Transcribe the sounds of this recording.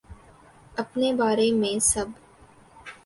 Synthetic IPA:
ɐpnebaːɾemẽsɐb

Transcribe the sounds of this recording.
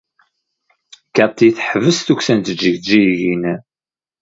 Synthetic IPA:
kɑt̪ˤːiθħəvəsθuksænt̪əd͡ʒːəʝd͡ʒijʝinæ

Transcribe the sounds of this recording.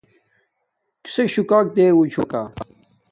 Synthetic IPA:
ki̥seɕukaːk̚d̪eːwut͡ɕʰukaː

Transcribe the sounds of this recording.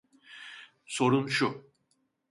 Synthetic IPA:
so̞ɾunʃu

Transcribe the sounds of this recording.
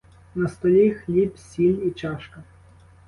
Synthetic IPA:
nɐst̪ɔlʲixlʲipsʲilʲit͡ʃɑʃkɐ

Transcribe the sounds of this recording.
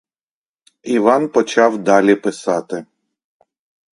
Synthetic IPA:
iʋɑnpɔt͡ʃɑwd̪ɑlʲipɪsɑt̪ɪ

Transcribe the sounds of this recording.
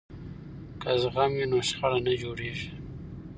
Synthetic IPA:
kazɣaminoʂxaɽanad͡ʒoɽeːʐi

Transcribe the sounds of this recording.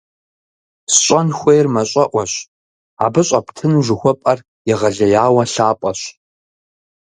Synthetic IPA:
sɕʼɐnxʷejrmɐɕʼɐʔʷɔɕ | a̰ːbɨɕʼɐpʰtʰɨnʒʷɪxʷɔpʼɐr | jɪʁɐɮɐjaːwɐɬaːpʼɐɕ

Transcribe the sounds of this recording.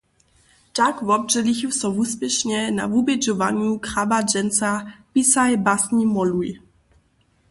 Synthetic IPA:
takvɔb̚ʐɛlixusɔvuspʲjɛʃɲɛna̰vubɛd͡ʒɔvaɲukχabad͡ʒɛnsapisajbasɲimɔluj

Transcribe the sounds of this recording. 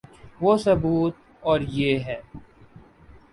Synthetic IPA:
ʋosɐbuːt̪̚ | ɔːɾjeːɦɛː

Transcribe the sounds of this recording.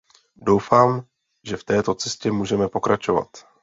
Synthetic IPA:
do̞wfaːm | ʒɛft̪ɛːt̪o̞t͡sɛscɛmuːʒɛmɛpo̞kɾat͡ʃo̞va̰t̪

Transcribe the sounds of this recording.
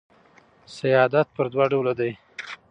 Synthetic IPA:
sajɑd̪at̪̚pəɾd̪wɑɖawlad̪aj

